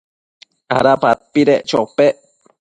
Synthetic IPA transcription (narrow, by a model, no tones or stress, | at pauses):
a̰ɾapapːiɾeʔt͡ʃopeʔ